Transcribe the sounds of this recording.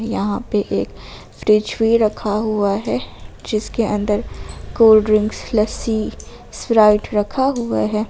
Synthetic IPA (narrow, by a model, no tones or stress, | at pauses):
jɐɦãpeʔeːk | fɾɪd͡ʒwiːɾɐkʰaɦuaɦɛd͡ʒɪskeʔɐ̃nd̪əɾkoːlɖɾɪ̃ŋɡslɐsi | sfɾaːɪʈɾɐkʰaɦʊa̰ɦɛː